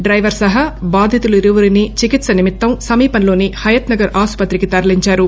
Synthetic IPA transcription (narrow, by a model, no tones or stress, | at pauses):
ɖɾɐjʋɐɾsɐɦɐbaːd̪ʱjɐt̪uluiɾuʋɐɾinit͡ʃikit̪sɐnimit̪ːɐmsɐmiːpɐnlo̞ːnihɐjɐt̪nɐɡɐɾʔaːspɐt̪ɾikit̪ɐɾɐliɲt͡ʃaːɾu